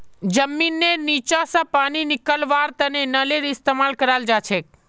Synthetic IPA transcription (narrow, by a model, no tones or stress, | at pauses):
d͡ʒəmːinːenit͡ʃasãpañinikəlʋaɾt̪ənenəleɾist̪emalkəɾald͡ʒat͡ʃʰe